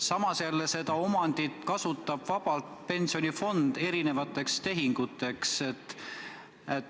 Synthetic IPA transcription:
sɑmɑsjælːese̞d̪ɑo̞mɑnd̪̥it̪kɑsut̪ːˑɑb̥vɑb̥ɑlt̪pe̞nsio̞nʲifo̞nd̪̥e̞ɾine̞vɑt̪ːˑe̞kst̪e̞ɦiŋɡ̥ut̪ːˑe̞kset̪ːˑ | et̪

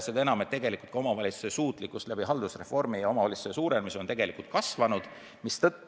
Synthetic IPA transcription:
sed̪enɑmet̪ːe̞ɡelikult̪̚kɑo̞mɑvɑlʲit̪su̥se̞suːt̪ˑlikːˑust̪læb̥iɦɑld̪usre̞fo̞rmijɑo̞mɑvɑlʲitsu̥sesuːɾelmiso̞nt̪e̞ɡe̞likult̪̚kɑsvɑnud̪̥ | mist̪ɤ

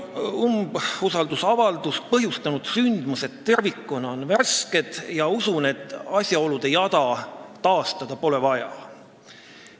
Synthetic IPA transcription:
umbusɑld̪̥usɑvɑld̪̥uspɤɦjust̪ɑnud̪̥synd̪̥muse̞t̪ːe̞rvikːonɑonvæske̞d̪̥jɑusune̞t̪ːˑɑsʲjɑo̞lud̪̥ejɑd̪ɑt̪ɑːst̪ɑd̪̥ɑpo̞lɛvɑjɑ̰

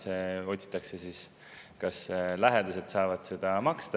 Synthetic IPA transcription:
seo̞t̪ʲsʲi̥t̪ːˑɑkse̞siːs | kɑslæɦed̪̥ɑse̞d̪̥sɑːvɑd̪̥se̞d̪̥ɑmɑkst̪ɑ

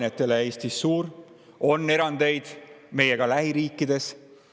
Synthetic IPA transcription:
net̪ːˑe̞leeːst̪isːuːɾ | o̞nːe̞ɾɑnd̪̥e̞jd̪̥me̞je̞ɡ̥ɑlæɦiɾiːkːˑid̪̥e̞s

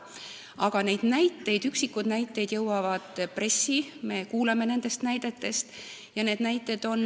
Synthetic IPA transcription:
ɑɡ̥ɑne̞jd̪̥næjt̪ːe̞jd̪̥yksikːud̪̥næjt̪ːˑe̞jd̪jɤ̞wɑvɑd̪̥pre̞sːime̞kuːlɑme̞ne̞nd̪̥e̞st̪næjd̪̥e̞t̪ːe̞st̪jɑneːd̪næjt̪ːˑe̞d̪̥o̞n

